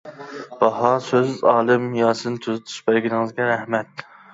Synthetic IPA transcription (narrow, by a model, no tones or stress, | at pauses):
b̥ɑɦɑsøzɑːlˠɨmjɑːsɨnɨt̪ʰuzɨt̪ʰu̥ʃbæɾɡʲinɪŋɨzɡʲɛɾɛhmɛt̪̚